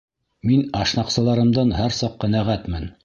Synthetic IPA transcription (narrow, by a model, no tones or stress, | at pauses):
minɑʃnɑqsɤ̆lˠɑɾɤ̆md̪ɑnhæɾsɑqːæ̆næʁæt̪mɘn